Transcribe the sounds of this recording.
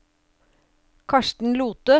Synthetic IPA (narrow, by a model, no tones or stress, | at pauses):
kʰɑʃʈɳ̩luːt̪ə